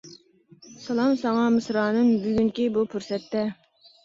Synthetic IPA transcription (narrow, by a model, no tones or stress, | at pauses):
sɑlˠɑmsɑŋɑmɨsɾɑːnɨŋbyɡʲyŋkʲibupʰuɾsɛt̪ːɛ